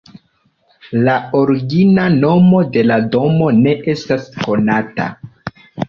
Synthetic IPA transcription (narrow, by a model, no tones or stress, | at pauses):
lao̞ɾiɡinano̞mo̞de̞lado̞mo̞ne̞ʔe̞stasko̞nata̰